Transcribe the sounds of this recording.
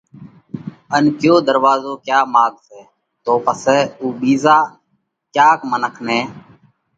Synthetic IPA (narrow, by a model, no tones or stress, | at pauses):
ənkjoːd̪əɾʋaːzoːkjaːmaːɡsɛː | t̪oːpəsɛːuːɓiːzaː | kjaːkmənəkʰnẽː